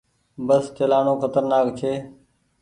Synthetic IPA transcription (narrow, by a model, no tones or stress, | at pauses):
bəst͡ʃəlaːnoːkʰət̪əɾnaːkt͡ʃʰeː